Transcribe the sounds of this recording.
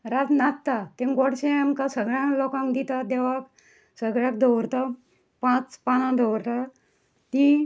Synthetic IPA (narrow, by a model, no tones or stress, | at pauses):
ɾat̪nat̪t̪at̪ẽŋɡɔɽɕẽamkasəɡɭjãlɔkãŋkd̪it̪ad̪ɛʋak | səɡɭjãk̚d̪ɔwɾt̪a | pãt͡spanãd̪ɔwɾt̪a | t̪i